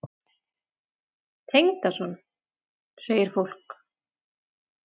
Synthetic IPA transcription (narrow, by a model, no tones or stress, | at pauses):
t̪ʰejŋt̪asɔn | seːjɪɾ̥fowl̥k